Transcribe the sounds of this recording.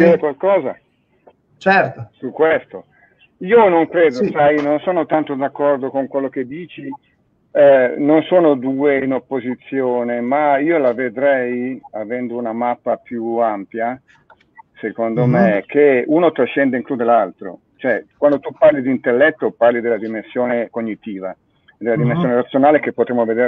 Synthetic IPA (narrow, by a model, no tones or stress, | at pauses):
d̪iɾekwalkɔːza | t͡ʃɛt̪osukːwest̪o | iːonoŋkɾeːd̪osajnonsoːnot̪ant̪od̪akːɔrd̪okoŋkwelːok̟ed̪ːiːt͡ʃi | nonsoːnod̪uːeinopːozit̪sːjoːnemaiːolaved̪ɾɛjavɛnd̪ounamapːapjuampja | sekond̪omekʰeunot̪ɾaʃːɛnd̪eiŋklud̪elalt̪ɾo̰ | t͡ʃoɛkwand̪ot̪uparlid̪iːnt̪elːɛt̪ːoparlid̪elːad̪imensjoːnekoɲːit̪iːva | ed̪ːelad̪imẽnsjoːneɾat̪sːjonaːlek̟epːot̪ɾemːoved̪eːɾ